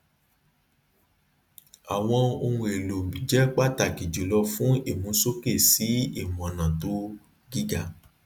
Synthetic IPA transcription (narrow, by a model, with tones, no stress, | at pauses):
a˨w̃ɔ̃˧o˧ũ˧e˨lo˨m˨bĩ˨d͡ʒɛ˨˦k͡pa˦˨ta˨ki˨d͡ʒo˨lɔ˧fũ˦e˦˨mũ˨˦so˦ke˦˨si˨˦i˦˨mɔ̃˨nã˨to˨˦ | ɡi˦ɡa˨